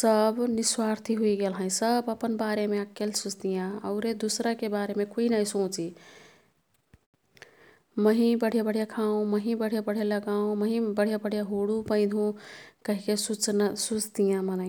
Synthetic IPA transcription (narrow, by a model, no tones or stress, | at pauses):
səbniswaɾt̪ʰiɦuiɡelɦə̃səbəpənbaɾemeakːelsust̪ijãə̰ʊɾed̪usɾakebaɾemekoinaisõt͡ʃi | məɦibəɽ̤ijabəɽ̤ijakʰaũməɦĩbəɽ̤ijabəɽ̤jeləɡaũməɦĩbəɽ̤ijabəɽ̤ʱijaɦoɽupə̃ɪ̃d̪ʱũkəɦikesut͡ʃnsut͡ʃt̪ijãmənã